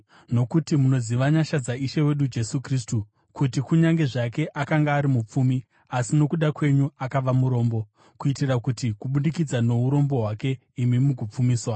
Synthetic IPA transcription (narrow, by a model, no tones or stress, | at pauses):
no̞kutimuno̞ziʋaɲaʃad͡zaiʃewe̞ɗud͡ʒe̞sukristu | kutikuɲaŋɡe̞ʐake̞ʔakaŋɡaːɾimup͡fumi | asino̞kuɗakwe̞ɲuakaʋamuɾo̞ːmbo̞ | kuitirakutikuɓunikid͡zano̞ɦuɾo̞mbo̞ɦwake̞ | imimukup͡fumiːswa